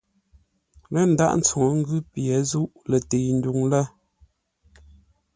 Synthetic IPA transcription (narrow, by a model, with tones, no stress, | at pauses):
lə˦˨n̩˨da̰˦ʔn̩˦t͡su˨ŋo˨ŋ̩˦ɡʉ˦pjɛ˨zu˦ʔlə˨te˨n̩˦du˨ŋlə˦